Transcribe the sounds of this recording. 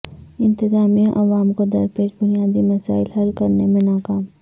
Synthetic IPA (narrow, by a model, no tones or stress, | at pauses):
ɪ̃nt̪ɪzaːmiãʔɐʋaːmkod̪ɐɾpeːʃbʊnijaːd̪imɐsaːɪlɦɐlkɐɾnemẽnaːkaːm